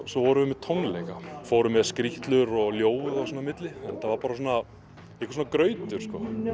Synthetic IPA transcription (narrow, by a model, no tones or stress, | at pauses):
sɔvɔɾʏvʏmɛðt̪ʰownlɛjkafoːwɾʏmɛðskɾiht̪lʏɾɔɣljoːwvʏasɔːnamɪt̪lɪɛnɛt̪ːavaɾpaːɾas̬ɔna | ɛhkvas̬ɔnakɾœːɥt̪ʏɾ̥skɔ